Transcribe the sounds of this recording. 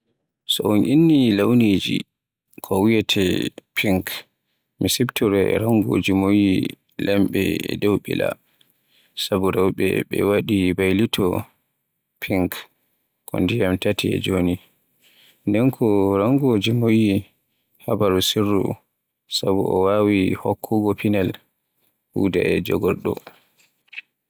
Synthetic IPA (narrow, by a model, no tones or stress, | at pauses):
sɔunʔinːilawnid͡ʒḭ | kʰɔwijɛtʰɛ̰pʰiŋk | misibtɔɾɛɛɾaŋɡo̰d͡ʒimoji | lɛmɓɛɛdɛwɓɛ̰la̰ | sabuɾɛwɓɛ̰ɓɛ̰waɗibajlitʰɔ | pʰiŋk | kɔ̰ndijamtatʰiɛ̰d͡ʒoni | ndɛnkʰɔɾaŋɡod͡ʒimoji | habaɾusirːṵ | sabuɔwawihɔkʰːɔɡɔpinal | huda̰ɛd͡ʒɔɡɔɾɗɔ̰